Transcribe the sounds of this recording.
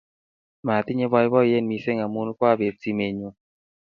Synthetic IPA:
ma˨t̪i˦ɲe˦bɔ˧jbɔ˦˨je˦˨nmi˧se˦ŋa˨mu˦nkwa˦˨be˨p̚si˨˦me˨ɲo˧

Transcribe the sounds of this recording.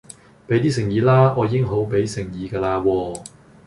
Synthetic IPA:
pe˨˥jt̪iː˥s̬ɪ˨˩ŋjiː˨˧laː˥ɔː˨˧jiː˧˥ŋɦo˨˥wpe˨˥jsɪ˨˩ŋjiː˨˧kɛː˧laː˧wɔː˧

